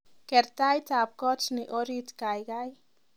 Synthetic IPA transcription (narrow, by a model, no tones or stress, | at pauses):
keɾt̪ajt̪ap̚kɔt͡ʃniʔoɾit̪kajɡaj